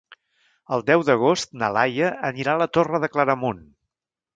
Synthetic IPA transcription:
əlˠd̪ɛwðəɣ̞ost̪nəlajəəniɾalət̪orəðəkləɾəmun

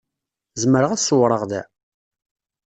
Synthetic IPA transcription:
zəməɾəʁæθsəwɾˤəʁðæ

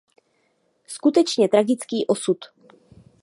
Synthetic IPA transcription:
skut̪ɛt͡ʃɲɛt̪ɾaɡɪt͡skiːʔosut̪

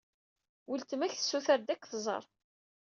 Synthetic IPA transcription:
wəlt̪mæçθə̥sːuθəɾd̪ækʷːθzˤə̰ɾˤ

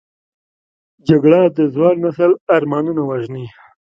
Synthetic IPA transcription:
d͡ʒaɡɽad̪əzwɑːlnasəlaɾmɑːnunawaʒni

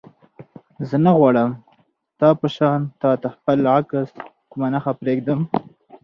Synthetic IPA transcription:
zənaɣwɑɽəm | t̪ɑpəʃɑnt̪ɑt̪axpəlʕakəs | kʊmanaxapɾeɡd̪əm

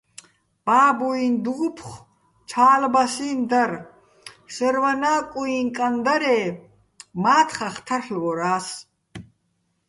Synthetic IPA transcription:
b̥aːbuind̪uʁupʰχ | t͡ʃʰaːlbasind̪aɾ | sɛɾvanaːkʼuinkʼand̪aɾɛː | maːt̪ʰχaχt̪ʰarɬlɡɔɾaːs

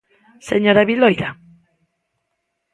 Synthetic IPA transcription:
seɲoɾaβilojða

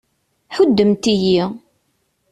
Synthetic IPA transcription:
ħʊd̪ːəmt̪iji

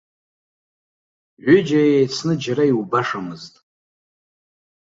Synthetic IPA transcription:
ʕʷʏd͡ʒajejt͡sʰnɨd͡ʒaɾaiwubaʂamɨztʼ

